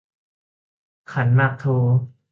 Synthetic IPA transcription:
kʰa˦nmaː˧˩k̚t̪ʰoː˧

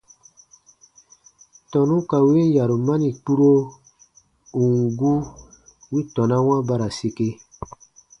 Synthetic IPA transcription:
tɔ˨nũ˦ka˨we˦n˦ja˨ɾu˨ma˦ni˨k͡pu˦ɾo˦ | u˨ŋɡu˦ | wi˦tɔ̃˨na˦w̃ã˦ba˦ɾa˨se˨ke˦

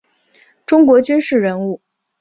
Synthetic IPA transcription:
ʈ͡ʂʊ˥ŋkwɔ˧˥t͡ɕy˥nʂɻ̩˥˩ɻə˧˥nu˥˩

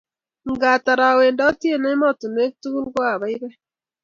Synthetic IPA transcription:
ŋɡa˨ta˨ɾa˨we˨ndɔ˦tje˦˨ne˦ɪ˦mɔ˦˨tu˨me˦k̚tu˦ɡu˦lɡɔ˦a˨ba˨˦ɪ˦bɛ˦

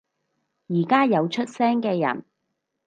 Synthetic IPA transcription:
jiː˨˩kaː˥jɐ˨˧wt͡ʃʰɵ˥t̚sɛː˥ŋkɛː˧jɐ̰˨˩n

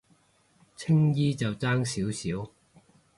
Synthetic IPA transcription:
t͡sʰɪ˥ŋjiː˥t͡sɐ˨wt͡saː˥ŋsiː˨˥wsiː˨˥w

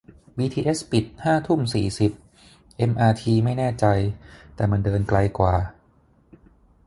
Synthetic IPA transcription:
wiː˧t̪ʰiː˧ʔe˦˥spi˨˩t̪̚haː˥˩t̪ʰu˥˩msiː˨˩si˨˩p̚ | ʔe˧˥mʔaː˧t̪ʰiː˧ma˥˩jnɛː˥˩t͡ɕa˧jt̪ɛː˨˩ma˧ndɤː˧nkla˧jkwaː˨˩

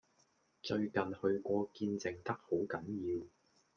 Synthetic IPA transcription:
t͡ʃɵ˧ɥkɐ˨nhɵ˧ɥkʷɔː˧kiː˧nt͡sɪ˧ŋt̪ɐ˥k̚ho˨˥wkɐ˨˥njiː˧w

